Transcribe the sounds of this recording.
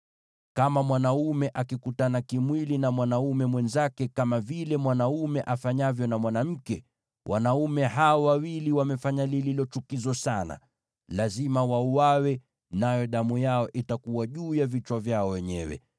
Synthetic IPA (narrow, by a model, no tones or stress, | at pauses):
kamamwanaumɛʔakikutanakimwilinamwanaumɛmwɛnzakɛkamavilɛmwanaumɛʔafaɲavjɔnamwanam̩kɛ | wʔa̰naumɛɦaɔwawiliwamɛfaɲalililɔt͡ʃukizɔsana̰ | lazimawauwawɛ | najɔɗamujaɔʔitakuwaʄuːjavit͡ʃwavjaɔwɛɲɛ̰wɛ̰